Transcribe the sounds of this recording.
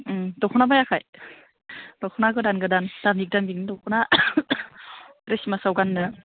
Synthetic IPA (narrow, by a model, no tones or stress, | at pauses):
dɔkʰunabajakʰaj | dɔkʰunaɡɯdanɡɯdand̥ambik̚dambik̚nɯdɔkʰuna | ɾesimasawɡanːɯ